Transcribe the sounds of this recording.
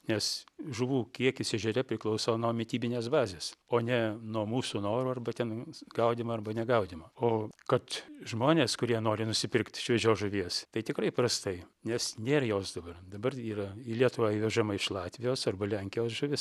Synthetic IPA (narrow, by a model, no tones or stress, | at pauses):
nʲɛsʒʊʋuːkʲiɛkʲɪsʲɛʒʲɛɾʲɛpʲɾʲɪklˠɐʊsoːnoːmʲɪt̪ʲiːbʲɪnʲeːsbɑːzʲeːsoːnʲɛnuɔmuːsunoːɾuːɐrbɐt̪ʲɛnɡɐʊdʲɪmɐɐrbɐnʲɛɡɐʊdʲɪmɐoːkɐt̪ʒmoːnʲeːskʊɾʲiɛnoːɾʲɪnʊsʲɪpʲɪrkt̪ʲʃʲʋʲɛd͡ʒʲoːʒʊʋʲiɛst̪ɐɪt̪ʲɪkrɐɪpɾɐst̪ɐɪ | nʲɛsnʲeːɾɐjoːsd̪ɐbɐrd̪ɐbɐriːrɐilʲiɛt̪ʊʋɑːiʋʲɛʒɐmɐɪʃlˠɑːt̪ʲʋʲɪjoːsɐrbɐlʲɛŋʲkʲɪjoːsʒʊʋʲɪs